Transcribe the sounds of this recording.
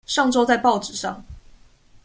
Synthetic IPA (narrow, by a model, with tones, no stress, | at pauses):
ʂɑ˥˨ŋʈ͡ʂo˥ʊt͡sa˥˧ɪpɑ˥˩ʊʈ͡ʂɻ̩˨˩ʂɑ˥˨ŋ